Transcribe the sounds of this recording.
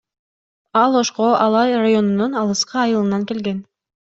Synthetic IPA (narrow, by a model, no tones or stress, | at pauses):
ɑlˠo̞ʃqoʔɑlˠɑjrajo̞nununɑlˠɯsqɯɑjɯlˠɯnɑŋke̞lɡe̞n